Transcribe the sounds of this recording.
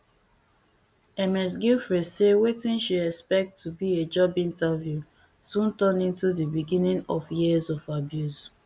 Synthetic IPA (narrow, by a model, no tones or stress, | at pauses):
ɛmɛs̬ɡilfɹɛsewetĩnʃiɛkspɛk̚tʰːubied͡ʒɔbĩntavju | sũntɔ̃nĩntudibiɡĩnĩŋɔfjizɔfabjuz